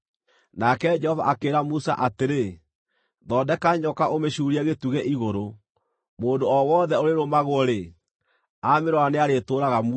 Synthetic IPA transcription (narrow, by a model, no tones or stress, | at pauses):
nakɛd͡ʒɛhɔva̰ʔakeːɾamusa̰ʔateɾe | ðɔːdɛkaɲɔkaʔomeɕuːɾiɛɣetuɣɛʔiɣoɾo | moːndoɔwɔðɛoɾeɾomaɣoɔɾe | ameɾwaneaɾetoːɾaɣamu